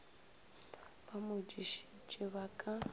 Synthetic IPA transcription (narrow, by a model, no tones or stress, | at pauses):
b̥amʊd͡ʒiʃi̥t͡ʃʼɪβakʼa